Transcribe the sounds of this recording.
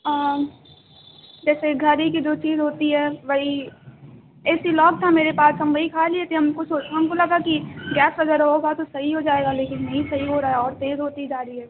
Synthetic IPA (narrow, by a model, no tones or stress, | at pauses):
aː | d͡ʒɛːseɡʱɐɾikid͡ʒoːt͡ʃiːzɦoːt̪iɦɛʋɐɦi | ɛːsilɔːk̚t̪ʰameːɾepaːsɐ̃mbəɦikʰaːliet̪ʰeɦɐmkosoːɦɐmkolɐɡakiɡɛːsɐɡəɾɦoːɡat̪osɐɦiɦod͡ʒaːeːɡaleːkɪnːɐɦĩsɐɦiɦoɾaɦaɔːɾt̪eːzɦoːt̪id͡ʒaːɾiɦɛː